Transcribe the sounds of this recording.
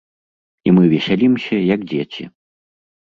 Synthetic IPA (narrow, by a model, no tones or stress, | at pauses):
imɨvʲɛsʲalʲimsʲɐjɐɡd͡zʲet͡sʲḭ